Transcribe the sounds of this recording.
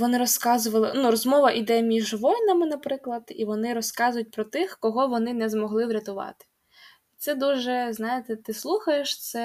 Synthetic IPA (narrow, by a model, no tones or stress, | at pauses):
ʋɔnɪɾɔskɑzʊʋɐlˠɪnuɾɔzmɔʋɐʔid̪ɛmʲiʒʋɔjʲnɐmɪnɐpɾɪklˠɐd̪̥ḭʋɔnɪɾɔskɑzʊjʊt̚ʲpɾɔt̪ɪxkɔɦɔʋɔnɪnɛzmɔɦlˠɪwɾʲɐt̪ʊʋɑ̰t̪ɪ̥ | t̪sɛd̪uʒɛznɑjet̪ɛt̪ɪslˠuxɐjeʃt̪sɛ